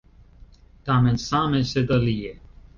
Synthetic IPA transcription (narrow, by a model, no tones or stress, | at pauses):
t̪aːmẽnsãːmẽsed̪ɐlije